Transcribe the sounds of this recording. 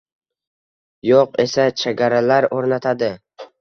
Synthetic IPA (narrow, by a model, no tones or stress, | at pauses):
joqe̞sat͡ʃʰeɡʲaɾalaɾoɾnat̪ʰad̪ɪ